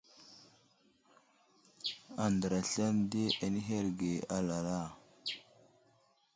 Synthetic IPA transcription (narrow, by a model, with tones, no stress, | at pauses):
a˨ndə˨ɾa˨ɬa˦nde˦ʔa˨ni˦ɦe˦ɾɡe˨a˨la˨la˦˨